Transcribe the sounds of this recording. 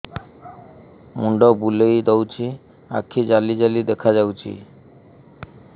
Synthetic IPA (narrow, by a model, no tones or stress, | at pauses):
muɳɖɔbulejd̪owt͡ɕʰi | a̰kʰːid͡ʑalid͡ʑalid̪ɛkʰad͡ʑawt͡ɕʰḭ